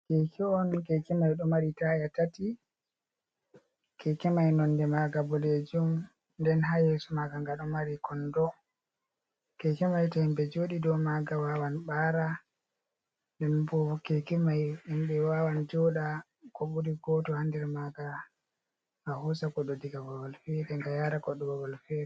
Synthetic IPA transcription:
kɛkʰɛɔnkɛkɛmajɗɔmaɾitajatati | kʰɛkɛmajnɔndɛmaɡabɔled͡ʒum | ndɛnɦajɛsɔmaɡaŋɡaɗɔmaɾikʰɔndɔ | kɛkɛmajtaimbɛd͡ʒoɗidɔmaɡawawanɓaːɾa | dɛnbɔɔkɛkɛmajimɓɛwawand͡ʒɔɗa | kɔɓuɾiɡɔtɔhandɛɾmaɡa | hahusakɔɗɔdiɡabawɔlfɛɾɛŋɡajaɾakɔɗːɔbawɔlfɛɾɛ

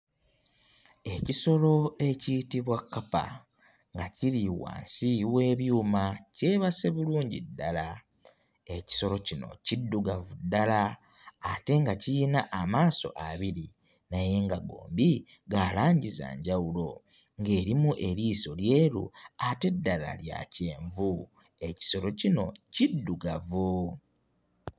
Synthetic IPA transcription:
e̞ciso̞lo̞e̞citiβwakːapa̰ | ŋɡaciɾiwa̰ːnsiwe̞ːβjuːmace̞ːβase̞βuluːɲɟḭdːala | e̞ci̥so̞lo̞cino̞̰cidːuɡavudːala | ate̞ŋɡacijinaʔːmaːso̞̰ʔaβiɾi | naje̞ŋɡaɡo̞̰ːmbi | ɡaːlaːɲɟiza̰ːɲɟawulo̞ | ŋɡe̞ːɾimuʔeɾiːso̞lje̞ːɾṵate̞dːala̰lja̰ce̞ːɱvu | e̞ci̥so̞ɾo̞cino̞cidːuɡavo

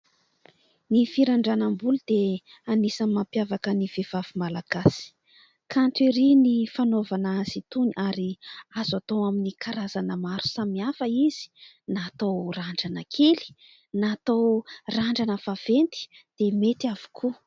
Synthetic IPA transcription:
nifiɾaɳɖ͡ʐanambulud̪̥e | anisamːampjavakəniv̥ev̥avimalaɡasi̥ | kʰant̪eɾinifanovanazit̪uniʔaɾiazat̪owaminikʰaɾazanəmaɾu̥samiafəiz̥i̥ | nat̪oraɳɖ͡ʐanəkʰeli̥ | nat̪owraɳɖ͡ʐanəfav̥ent̪i̥ | d̪̥emet̪iavu̥kʰu

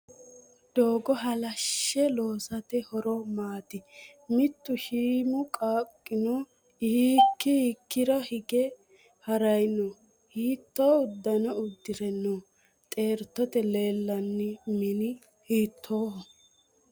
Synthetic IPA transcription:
d̪̥oːɡɔɦɐlɐʃːɛloːsɐt̪ɛhɔɾɔmaːt̪ɪ | mɪt̪ːʊʃiːmʊkʼaːkʼːɪnɔ | hikːɪhikːɪɾɐhɪɡɛ | hɐɾɐjnɔ | hiːt̪ːɔːʊd̪ːɐnɐʊd̪ːɪɾɛnːoː | t̪ʼe̞ːɾt̪ːɔt̪ɛle̞ːlːɐnːɪmɪnɪ | hiːt̪ʰːoːhɔ

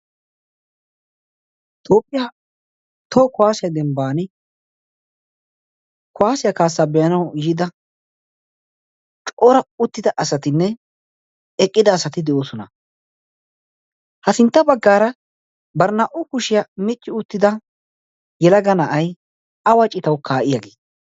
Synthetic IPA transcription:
t̪ʰoːpʼːɪja | t̪okʊwaːsɪjɐd̪ɛmbaːnɪ | kʊwaːsɪjɐkaːsːaːbɛjɐnɐwjiːd̪ɐ | t͡ʃʼoːɾɐʊt̪ːɪd̪ɐʔɐsɐt̪ɪnːɛ | ɛkʼːɪd̪ɐːsɐt̪ɪd̪ɛʔoːsɔnɐ | hɐsɪnt̪ːɐbɐɡːaːɾɐ | bɐɾnaʔʊkʊʃɪjɐmɪt͡ʃʼːɪʊt̪ːɪd̪ɐ | jɛlɐɡɐnɐʔɐj | ɐwɐt͡ʃʼːɪt̪ɐwkʰaːʔɪjaɡeːd̪

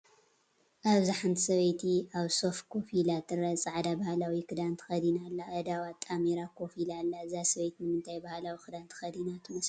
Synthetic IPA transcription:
ʔaβziħant̪ʰi̥sɐβɐjt̪ʰiaβso̞fkʰofilat̪ʰːɨɾɐt͡sʼɨʕad̪abahalawikʰɨd̪ant̪ʰɨ̥xɐd̪inalːaʔɐd̪awat̪ʼːameɾakʰofilalːaɨzasɐβɐjt̪nɨmɨnt̪ʰajbahalawikʰɨd̪ant̪ʰɨ̥xɐd̪inat̪ʰɨmɐs

